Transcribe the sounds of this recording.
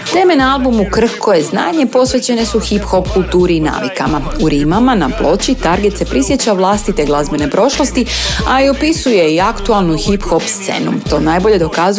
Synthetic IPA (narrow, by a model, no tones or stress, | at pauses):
t̪e̞ːme̞nalˠbumukr̩xkʰo̞je̞zna̰ːɲe̞po̞sʋe̞t͡ɕe̞ne̞suxipxo̞pkulˠt̪uːɾiːna̰ːʋikamauɾimamanaplˠo̞t͡ɕit̪aɾɡet̪se̞pɾisje̞t͡ɕaʋlˠaːst̪it̪e̞ɡlˠazbe̞ne̞pɾo̞ʃlˠo̞st̪iaio̞pisuje̞iakt̪ualˠnuxipxo̞pst̪se̞̰nṵt̪o̞ːnajbo̞ʎed̪o̞kaz